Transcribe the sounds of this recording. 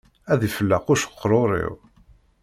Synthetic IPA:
æðifəlːəqʊʃə̥qʰːɾˤoɾˤḭw

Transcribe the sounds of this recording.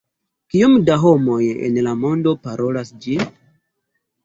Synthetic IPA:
kiomdaɦo̞mo̞jḛnlamo̞ndo̞paɾʔo̞lasd͡ʒi

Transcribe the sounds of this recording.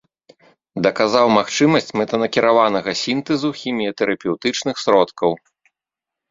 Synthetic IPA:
d̪ɐkazawmaxt͡ʂɨmɐsʲt͡sʲmɛt̪ɐnɐkʲiɾavanɐɣɐsʲint̪ɛzuxʲimʲijɐt̪ɛɾʔɐpʲɛwt̪ɨt͡ʂnɨxsɾɔt̪kɐw

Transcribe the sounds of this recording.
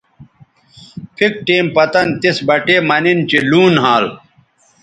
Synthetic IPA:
pʰik̚ʈeːmpɐt̪ɐnt̪isbɐʈeːmɐnint͡ɕiluːnɦaːl

